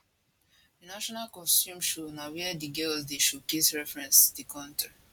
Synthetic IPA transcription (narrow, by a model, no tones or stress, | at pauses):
naʃɔnalkɔ̃nstjũmʃunawɛdiɡɛlzdeʃukesɹɛfɹɛ̃nstudikʰɔ̃ntʰɹi